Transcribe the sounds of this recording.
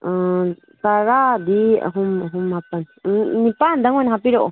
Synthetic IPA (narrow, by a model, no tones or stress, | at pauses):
t̪aɾad̪ia̰ɦumɦumapannĩpand̪aŋʷenɦapiɾoʔo